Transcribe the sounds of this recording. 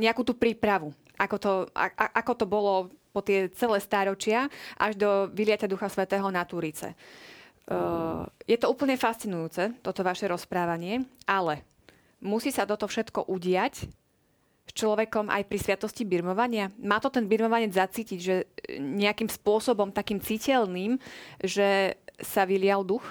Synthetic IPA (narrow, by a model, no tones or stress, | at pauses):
ɲɛakuːt̪uːpɾiːpɾaʋu | ʔakɔt̪ɔa̰a̰ʔakɔt̪ɔbɔlɔpɔt̪ɪɛt͡sɛlɛːst̪aːɾɔt͡ʃɪaʔa̰ʒd̪ɔʋilɪacad̪uxasʋɛt̪ɛːɦɔnat̪uːɾit͡sɛ̰ | jɛt̪ɔuːpl̩ɲɛfast͡sinujuːt͡sɛt̪ɔt̪ɔʋaʃɛɾɔspɾaːʋaɲɪɛalɛ | musiːsat̪ɔt̪ɔfʃɛt̪kɔ̰ʔuɟɪac | st͡ʃlɔʋɛkɔmʔa̰jpɾisʋɪat̪ɔscibiɾmɔʋaɲɪamaːt̪ɔt̪ɛnbiɾmɔʋaɲɛd͡zzat͡siːciɟʒɛɲɛakimspʊɔsɔbɔmt̪akiːmt͡sicɛlniːmʒɛsaʋilɪald̪ux